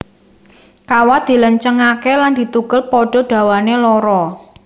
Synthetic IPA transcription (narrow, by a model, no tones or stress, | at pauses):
kawad̪̥i̤ləɲt͡ʃəŋakeland̪̥i̤t̪uɡ̥ʊlpɔɖ̥ɔ̤ɖ̥ä̤wanelɔɾɔ